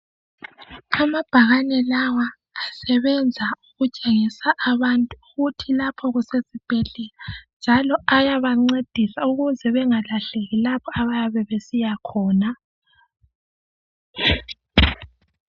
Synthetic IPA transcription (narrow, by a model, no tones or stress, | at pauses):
amab̥ʱaɣanɛlawaː | sɛβɛnd͡zʱauɣut͡ʃʼeŋisaʔːβantʼuɣutʰilapʰɔɣusezib̥ʱeɮɛland͡ʒʱalɔajaβaŋ͡ǀed̥ʱisauɣuzɛβɛŋalaɬeɣilapʰɔaβajaβɛβesijakʰɔːna